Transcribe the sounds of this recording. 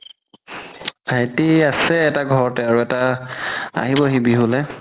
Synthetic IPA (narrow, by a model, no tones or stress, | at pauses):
atiasɛːtaɡʱɔɹɔtɛaɹuɛta | a̰ɦibɔɦibiɦʊlɛ